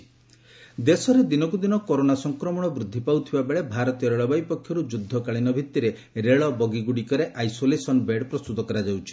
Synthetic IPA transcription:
d̪esɔɾed̪inɔkud̪inɔkɔɾonasɔŋkɾɔmɔɽ̃ɔbɾud̪ʱːipawt̪ʰibabeɭebʱaɾɔt̪ijɔɾeɭɔbajpɔkʰːjɔɾud͡ʒud̪ʱːɔkaɭinɔbʱit̪ːiɾe | ɾeɭɔbɔɡiɡuɽikɔɾeʔajsolesɔnbeɖpɾɔst̪ut̪ɔkɔɾad͡ʒawt͡ʃʰi̥

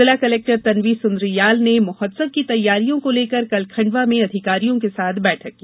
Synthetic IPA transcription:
ɪlakɐleːk̚ʈəɾt̪ɐnʋisʊnd̪ɾijaːlnemʊhəd̪səb̚kit̪ɐjːaːɾijõkoleːkəɾkɐlkʰɐ̃ɳɖʋamẽɐd̪ʱɪkaːɾijõkesaːt̪ʰbɛːʈʰɐkkːiː

